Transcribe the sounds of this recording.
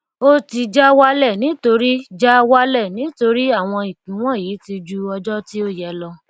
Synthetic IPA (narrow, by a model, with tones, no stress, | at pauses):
o˦ti˧d͡ʒa˦wa˦lɛ˦˨nĩ˨˦to˧ɾi˦d͡ʒa˦wa˦lɛ˦˨nĩ˨˦to˧ɾi˦a˦˨w̃ɔ̃˧i˨k͡pĩ˨˦w̃ɔ̃˦˨jiː˨˦ti˧d͡ʒu˧ɔ˧d͡ʒɔ˦ti˦o˦jɛ˨˦lɔ˧